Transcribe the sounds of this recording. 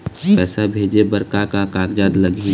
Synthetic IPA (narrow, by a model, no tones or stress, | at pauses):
pɛːsabʱeːd͡ʒebəɾkakakakd͡ʒaːd̪ləɡi